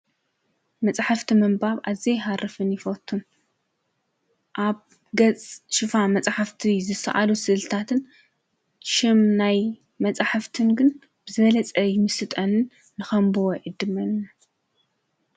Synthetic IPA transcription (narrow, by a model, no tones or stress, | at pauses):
mɐt͡sʼaħaft̪ʰimɐmbaβʔazejɦarɨfɨnjɪfot̪ʰːun | ʔaβ | ɡɐt͡sʼʃɨfamɐt͡sʼaħaft̪ʰizɨsɐ̰ʔa̰lusɨlt̪ʰat̪ʰɨn | ʃɪmnaj | mɐt͡sʼaħaft̪ʰɨnɡɨn | b̥ɨzɨβɐlɐt͡sʼɐjɪmɨsɨt̪ʼɐnɨnː | ɨxɐmbuwʕid̪ɨmɐnːɐ